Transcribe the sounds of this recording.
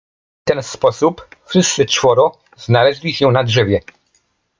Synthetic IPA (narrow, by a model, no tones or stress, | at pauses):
t̪ɛnspɔsupfʂɘst̪sɘt͡ʂfɔɾɔ | znalɛʑlʲiɕɛnadʐɛvʲjɛ